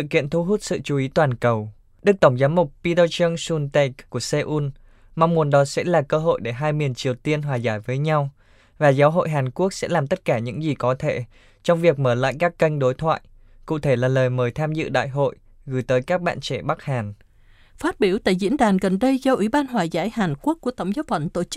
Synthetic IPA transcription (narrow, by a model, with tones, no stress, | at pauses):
sɨ̰˧˨kḭ˧˨ənt̪ʰu˧ɦu˦˥t̚sɨ̰˧˨t͡ɕu˨˦i˨˦t̪waː˨˩nkə˨˩w | ɗɨ˦˥k̚t̪ə˧˩wŋ͡mzaː˨˦mːʊ˨˩k͡p̚pi˧t̪ə˧t͡ɕə˧ŋsu˧nt̪ɛ˧˩kkːu˧˩əse˧ʔu˧n | ma˧wŋ͡mmu˨˩ənɗɔ˨˦sɛ̰˧˥laː˨˩kəː˧ɦo̰˧˨jɗe˧˩ɦaː˧jmi˨˩ənt͡ɕi˨˩əwt̪i˧ənɦwaː˨˩zaː˧˩jvəː˨˦jɲa˧w | vaː˨˩zaː˨˦wɦo̰˧˨jɦaː˨˩nku˦˥ək̚sɛ̰˧˥laː˨˩mt̪ə˦˥t̚kaː˧˩ɲɨ̰˧˥ŋzi˨˩kɔ˨˦t̪ʰe˧˩ | t͡ɕɔ˧wŋ͡mvi˨˩ək̚məː˧˩la̰ː˧˨jkaː˦˥kːə˧jŋ̟ɗo˨˦jt̪ʰwa̰ː˧˨j | kṵ˧˨t̪ʰe˧˩laː˨˩ləː˨˩jməː˨˩jt̪ʰaː˧mzɨ̰˧˨ɗa̰ː˧˨jɦo̰˧˨j | ɣɨ˨˧˩jt̪əː˨˦jkaː˦˥k̚ɓa̰ː˧˨nt͡ɕḛ˧˩ɓa˦˥k̚haː˨˩n | faː˦˥t̚ɓi˧˩əwt̪a̰ː˧˨jzḭ˧˥ənɗaː˨˩nɣə˨˩nɗə˧jzɔ˧ʔwi˧˩˦ɓaː˧nɦwaː˨˩zaː˨˩˦jhaː˨˩nku˦˥əkːu˧˩ət̪ə˧˩wŋ͡mzaː˨˦wfə̰˧˩nt̪o˧˩t͡ɕɨ˦˥k̚